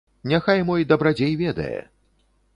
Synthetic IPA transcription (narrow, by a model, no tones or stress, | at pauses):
nʲaxajmɔjd̪ɐbɾad͡zʲejvʲɛd̪ɐ̰jɛ̰